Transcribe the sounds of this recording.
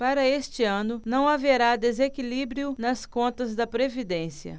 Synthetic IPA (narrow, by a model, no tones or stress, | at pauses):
paɾɐest͡ʃɪɐ̃nʊnɐ̃w̃aveɾad̪ezekilibɾjʊnɐskõnt̪ɐzd̪ɐpɾevid̪ẽsiɐ̰